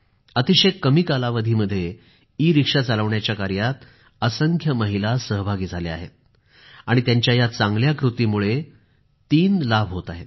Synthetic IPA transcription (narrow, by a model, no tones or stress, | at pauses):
ət̪iɕekːəmikalaʋəd̪ʱiːməd̪ʱːje | iːɾikʂat͡saləʋɳjat͡ɕjakaɾjat̪ | əsəŋkʰjəməɦilasəɦbʱaɡiːd͡zʱalea̰ɦḛt̪̚ | aɽ̃it̪jaɲt͡ɕjajat͡saŋɡljakɾut̪iːmuɭe | t̪iːnlabʱɦot̪aɦet̪̚